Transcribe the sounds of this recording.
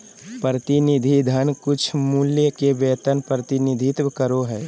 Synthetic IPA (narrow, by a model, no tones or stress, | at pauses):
pɾət̪inɪd̪ʱid̪ʱənkʊt͡ʃʰmʊljəkebeːt̪ənpɾət̪ɪnɪd̪ʱɪt̪kəɾoɦɛː